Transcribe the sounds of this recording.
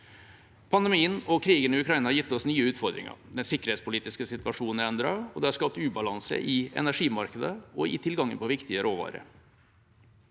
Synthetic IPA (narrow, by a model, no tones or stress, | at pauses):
pʰɑnd̪ɛmiːənɔkʰɾiːɡənɪʉkʰɾɑɪnəhɑɾjɪt̪ːɔsnyːəʉːt̪fɔɾd̪ɾɪ̰ŋə̰d̪ɛnsɪkːəɾhet̪spʰʊliːt̪ɪskəsɪt̪ʋɑʂuːnɛnd̪ɾɑɔd̪ɛhɑɾʂkɑp̚t̪ʉːbɑlɑnsə̰ʔɪɛ̰næʂiːmɑɾkəd̪əɔɪ̰t̪ʰɪlɡɑŋːə̰npʰɔʋɪkt̪ɪəɾʔoːʋɑ̰ːɾə̰